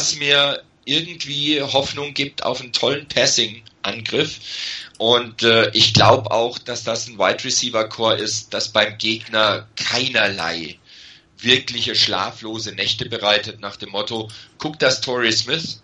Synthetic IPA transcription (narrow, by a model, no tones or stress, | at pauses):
smiːɐ | ʔɪɐɡŋ̩tv̥iːɦɔfnʊŋɡiːp̚tʰa̰ʊfn̩tʰɔlənpʰɛsɪŋʔanɡʁɪfʔʊntʔɛːʔɪçɡ̥laʊbəʔa̰ʊxd̥asd̥asn̩waɪtʁɛsiːvɐkʰoːɐʔɪst̚d̥asb̥aɪmɡeːɡnɐkʰaɪnɐla̰ɪ | vɪɐklɪçəʃla̰ːfloːzənɛçtəbəʁaɪtətnaːχd̥eːmːɔtoɡ̥ʰʊkd̥astʰɔʁismɪθ